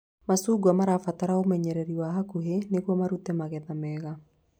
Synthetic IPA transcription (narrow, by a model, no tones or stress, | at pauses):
masuːɡwamaɾafataɾaomɛɲɛɾɛɾiwaɦakuɦenekwɔmaɾutɛmaɣɛðamɛɣa